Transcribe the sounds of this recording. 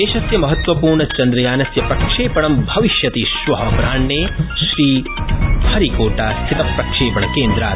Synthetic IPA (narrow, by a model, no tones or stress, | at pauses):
eːʃɐsjɐmɐɦɐt̪ʋɐpuːɾɳɐt͡ʃɐnd̪ɾɐjaːnɐsjɐpɾɐkʂeːpɐɳɐmbʱɐʋiʃjɐt̪iːʃʋɐɦɐpɾaːɳːeːʃɾiː | hɐɾikoːʈaːst̪ʰit̪ɐpɾɐkʂeːpɐɳɐkeːnd̪ɾaː